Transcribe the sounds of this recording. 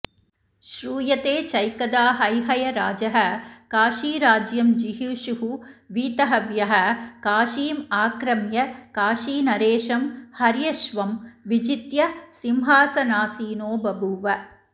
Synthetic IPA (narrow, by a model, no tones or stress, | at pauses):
ʃɾuːjɐt̪eːt͡ʃɐjkɐd̪aːɦɐjɦɐjɐɾaːd͡ʒɐɦɐ̆kaːʃiːɾaːd͡ʒjɐmd͡ʒiɦiʃuɦuʋiːt̪ɐɦɐʋjɐɦɐ̆kaːʃiːmaːkɾɐmjɐkaːʃiːnɐɾeːʃɐmhɐɾjɐʃʋɐmʋid͡ʒit̪jɐsimɦaːsɐnaːsiːnoːbɐbʱuʋɐ